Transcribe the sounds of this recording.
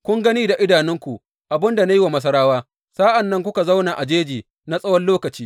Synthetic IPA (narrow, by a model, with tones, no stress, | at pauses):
kʷʊ˦ŋɡɐ˦niː˦da˨ʔɪ˦daː˨nɪ˦ŋkʷu˨ | ʔa˨bɪ˦nda˨na˦ji˦wa˨mɐ˦s̬ɐ˦ɾaː˦waː˦ | saː˦ʔa˨nːɐ˦ŋk̬ʷʊ˦ka˨za˦wna˨ʔa˨d͡ʒeː˦d͡ʒiː˨ | na˦sʼɐ˦wɐ˦loː˦kɐ˨t͡ʃiː˦